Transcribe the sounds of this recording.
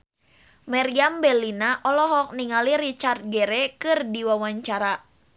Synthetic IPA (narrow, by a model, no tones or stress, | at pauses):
maɾiambɛlinaʔɔlɔɦɔk̚niŋalirit͡ʃart̪̚ɡɛɾɛkɨrdiwawaɲt͡ʃaɾa